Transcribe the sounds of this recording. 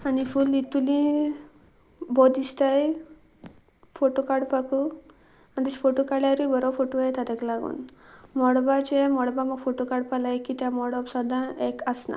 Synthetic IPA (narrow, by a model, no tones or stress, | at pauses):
anifulit̪ulĩ | bɔd̪ist̪aj | fʰoʈokaɖpaku | and̪isfʰoʈokaɽjaɾujbɔɾɔfʰoʈoaet̪at̪ɛklaɡṵnmɔɽbat͡ɕemɔɽbamɔɡfʰoʈokaɖpalajkit̪jamɔɽɔpsad̪ʱãekasna̰